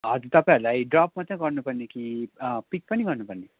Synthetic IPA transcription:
ad̪it̪apɛlaiɖɾɔːpmɐt̪ʰːẽkʌɾnupɐɾnikipik̚pɐnikʌɾnupɐɾni

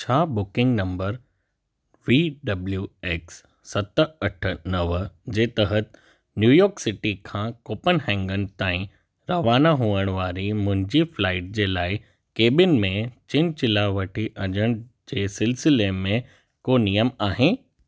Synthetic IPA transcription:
t͡ɕʰaːbʊkɪ̃ŋɡnɐ̃mbəɾ | ʋiːɖɐbljueːksː | ɐt̪ɐʈ̆ʰnɐʋd͡ʑeːt̪ɐɦət̪ | njuːjɔːɾksɪʈikʰãːkoːpənɦɛ̃ːŋɡənɪ̆t̪aːĩ | ɾɐʋaːnaɦuːəɽ̃ʋaːɾimʊ̃ɦɪ̃ɲd͡ʑiflaːɪʈ̚d͡ʑeːlaːɪ | keːbɪnmẽt͡ɕɪnt͡ɕɪlaːʋɐʈʰiʔɐd͡ʑəɽ̃ | d͡ʑeːsɪlsɪlemẽ | koːnijəmaːɦẽ

